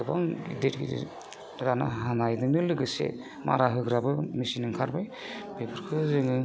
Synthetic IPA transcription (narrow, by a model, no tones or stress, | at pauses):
ɯba̰ŋidetɡḭd̰ | ɾana̰ɦanajdɯŋnɯlɯɡɯsḛ | ma̰ɾaɦɯɡɾabɯmisinɯŋkʰaɾbajbepʰɯɾkʰɯzɯŋɯ